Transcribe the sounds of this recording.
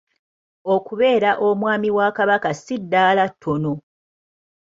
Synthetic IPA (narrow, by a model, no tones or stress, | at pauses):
okuβe̞ːɾaʔomwaːmiwakaβakasidːaːlatʰːono